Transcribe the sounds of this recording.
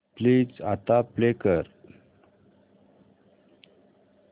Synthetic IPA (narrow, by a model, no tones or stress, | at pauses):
pliːd͡zat̪aplekəɾ